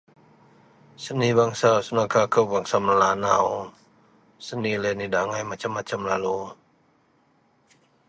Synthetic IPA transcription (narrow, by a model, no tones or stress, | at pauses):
sanibaŋsasunakʰaːkʰawaŋsamlanaw | sanilenidaŋajmat͡ɕʰamat͡ɕʰamlalo